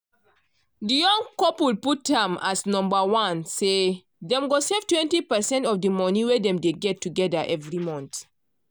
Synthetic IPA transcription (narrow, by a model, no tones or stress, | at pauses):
dijɔ̃ŋkɔpulput̚dɛ̃masnɔ̃mbawãnse | dɛ̃mɡosevtwɛ̃ntipɛsɛ̃ntɔfdəmɔniwɛdɛ̃mdeɡɛtːuɡɛdaʔɛvɹimɔ̃nt